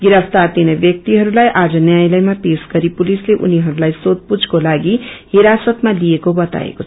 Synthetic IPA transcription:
ɡiɾʌpʰt̪aɾt̪inʌbjʌk̚t̪iɦʌɾulajʔad͡zʌnjajlʌjmapesɡʌɾipulisleʔṵniɦʌɾulajsod̪̚pud͡zʱkolaɡihiɾasʌt̪malijekobʌt̪a̰ḛkoʌ

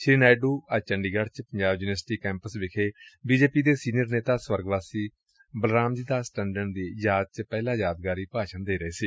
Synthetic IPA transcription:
ʃɾiːnaːjɖuːət͡ʃəɳɖiːɡaɽt͡ʃpəɲd͡ʒaːbjuːnəsʈiːkɛ̃ːmpəsʋɪkʰeːbiːd͡ʒeːpiːd̪eːsiːnjəɾneːt̪aːswəɾɡʋaːsiː | bəlɾaːmd͡ʒiːd̪aːsʈɛ̃ːɳɖəɳd̪iːjaːd̪̚t͡ʃpɛːlãːjaːd̪ɡaːɾiːpaːʃənd̪eːɾəeːsiː

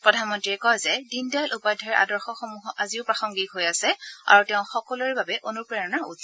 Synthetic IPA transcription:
pɹɔdʱanmɔntɹiɛkɔjzɛdindajlʔupajdʱɔɹɛʔa̰dɔɹxɔxɔmuɦɔʔaziʊpɹaxɔŋɡikɦojasɛa̰ɹutɛʊ̃xɔkɔlɔɹɛbabɛʔonupɹɛɹɔnaʔṵz

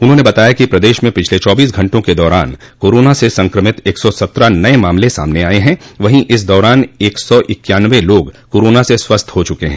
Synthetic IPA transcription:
ʊnɦõnebɐt̪aːjakipɾɐd̪eːʃmẽpɪt͡ʃʰlet͡ʃɔːbiːs̬ɡʱɐ̃ɳʈõked̪ɔːɾaːn | koːɾoːnasesɐ̃ŋkɾəmɪt̪eːksɔsɐt̪ɾanɐemãːmlesa̰ːmneaːeɦɛ̃ʋɐɦĩʔɪs̬d̪ɔːɾaːneːksɔʔɪkjaːnʋeloːɡkoːɾoːnaseswɐst̪ʰɦot͡ʃʊkeɦɛ̃

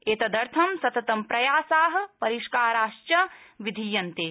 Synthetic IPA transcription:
eːt̪ɐd̪ɐɾt̪ʰɐmsɐt̪ɐt̪ɐmpɾɐjaːsaːɦɐ̆pɐɾiʃkaːɾaːʃt͡ʃɐʋid̪ʱijɐnt̪eː

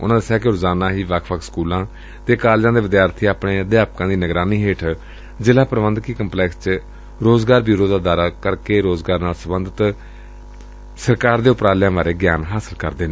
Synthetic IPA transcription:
ʊ̰nãːd̪əsjaːkɪɾʊzaːnãːɦiːʋakʰʋəkʰskuːlãː | t̪eːkaːld͡ʒãːd̪eːʋɪd̪jaːɾt̪ʰiːaːpneːd̪jaːp̚kãːd̪iːnəɡɾaːniːɦeːʈʰ | d͡ʒɪlaːpəɾʋənd̪kiːkəmplɛːkst͡ʃ | ɾoːzɡaːɾbiːɾoːd̪aːd̪aːɾaːkəɾkeːɾoːzɡaːɾnaːlsəbənd̪ʱət̪ | səɾkaːɾd̪eːʊpɾaːlɪjãːʋaːɾeːɡjaːnɦaːsəlkəɾd̪eːnẽː

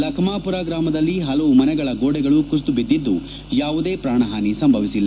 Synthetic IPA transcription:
lɐkʰmaːpuɾaːɡɾaːmɐd̪ɐlːiɦɐlɐʋumɐnɛɡɐɭɐɡoːɽɛɡɐɭukust̪ubid̪ːid̪ːu | jaːʋud̪e̞ːpɾaːɳɐɦaːnisɐmbʱɐʋisilːa

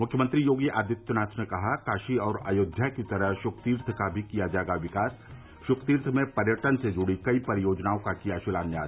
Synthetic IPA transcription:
mʊkʰjəmə̃nt̪ɾijoːɡiʔaːd̪ɪt̪ːjʊnaːt͡ʃʰnekɐɦakaːʃiɔːɾa̰ːjoːd̪ʱjakit̪ɐɾəɦʃʊkt̪iːɾt̪ʰkabʱikijad͡ʒaːeɡaʋɪkaːs | ʃʊkt̪iːɾt̪ʰmẽpɐɾjəʈənsed͡ʒʊɽikɐipɐɾɪjoːd͡ʒnaːõkakijaʃɪlaːnjaː

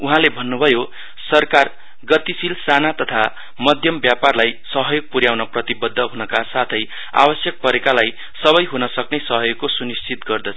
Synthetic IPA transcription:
uɦãlebʱʌnːubʱʌjo | sʌrkar | ɡʌt̪isilsanat̪ʌt̪ʰa | mʌd̪ʱjʌmbjaparlajsʌɦʌjoɡ̚puɾjawnʌprʌt̪ibʌd̪ʱːʌɦunʌkasat̪ʰʌj | a̰bʌsjʌk̚pʌɾekalaj | sʌβʌjɦunʌsʌknesʌɦʌjoɡkosunist͡sʰit̪ɡʌrd̪ʌt͡sʰ

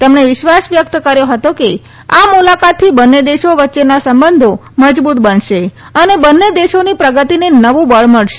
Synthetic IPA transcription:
t̪əmɳeʋɪʃʋasʋjək̚t̪kəɾjoɦət̪oke | amulakat̪ʰːibənːed̪eʃoʋətːʃenasəmbənd̪ʱo | məd͡ʒbut̪bənʃe | ənebənːed̪eʃonipɾəɡət̪inenəʋũbəɭməɭʃe

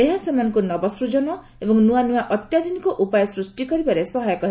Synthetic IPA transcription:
eɦasemanɔ̃ŋkunɔbɔsɾud͡ʒɔnɔ | ebɔŋnuanuwaʔɔt̪jad̪ʱinikɔʔupajɔsɾusʈikɔɾibaɾesɔɦajɔkɔɦe

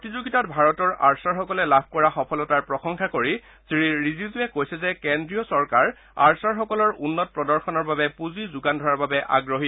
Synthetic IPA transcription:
ptizuɡitatbʱaɹɔtɔɹaɹsaɹxɔkɔlɛlab̚ʱkɔɹaxɔpʰɔlɔtaɹpɹɔxɔŋkʰakoɹi | siɹiɹizizuɛkojsɛzɛkendɹijɔsɔɹkaɹ | a̰ɹsaɹxɔkɔlɔɹunːɔt̚pɹɔdɔɹxɔnɔɹbabɛpuzizʊɡandʱɔɹaɹbabɛʔa̰ɡɹoɦi

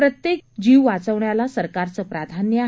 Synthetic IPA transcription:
pɾət̪jek̚d͡ʑiʋʋat͡səʋɳjalasəɾkaɾt͡səpɾad̪ʱanjə

